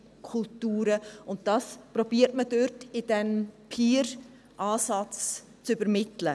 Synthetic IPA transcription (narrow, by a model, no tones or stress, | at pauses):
kʰʊltuːɾəʊntd̥ɑːspɾɔbiːəɾtmədøɾtɪdɛnpʰiːɾ | ʔɑːsɑt͡s | t͡sʏbəɾmɪtlə